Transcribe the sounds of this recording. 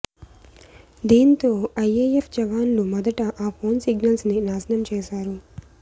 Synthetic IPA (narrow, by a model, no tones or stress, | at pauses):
d̪iːnt̪o̞ːɐjeːjepʰd͡ʒɐʋaːnlumɐd̪ɐʈɐʔaːpʰo̞ːnsiɡnɐlsninaːsɐnɐmt͡ʃɛːʃaːɾu